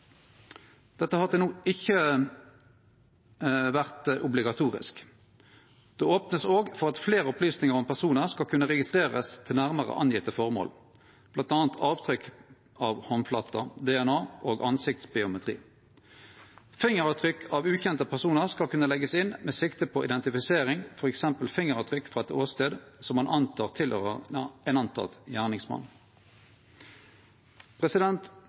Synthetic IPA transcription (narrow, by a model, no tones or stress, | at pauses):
d̪̥ɛt̪ːəhɑd̪ənuːɪçə | ʋæʁt̪ʔʊblɪɡɑt̪ʰuːʁɪ̰sk | d̪̥ɛːoːpnəsoːɡfɔʁɑt̪fleːʁəʊplyːsnɪŋəʁɔmpʰæʁsuːnəʁskɑlkʰʉnːəʁɛɡɪst̪ʁeːʁə̰st̪ʰɪlnæʁməʁə̰ʔɑ̰njɪt̪əfɔʁmo̰ːl | b̥lɑnt̪ɑːnt̪ʰɑːʋt̪ʰʁʏk | ʔɑʋhɔnflɑt̪ːɑd̪ɛɛnɑːʔoːɡʔɑnsɪk̚t̪sbɪʊmɛt̪ʁḭː | fɪŋəʁɑt̪ʰʁʏkːʰɑːʋʉːçɛnt̪əpʰæʁsuːnəʁskɑlkʉnːəlɛɡəsɪnmeːsɪkt̪əpʰɔʔɪd̪ɛnt̪ɪfɪseːʁɪŋfɔʁɛksɛmpəlfɪŋəʁɑt̪ʰʁʏkːfʁɑɛt̪oːst̪eːd̪sɔmːɑnʔɑnt̪ʰɑːʁt̪ʰɪlhøːʁəɛnɑnt̪ʰɑ̰t̪jæːʁnɪŋsmɑ̰n | pʰʁɛsɪd̪ɛnt̪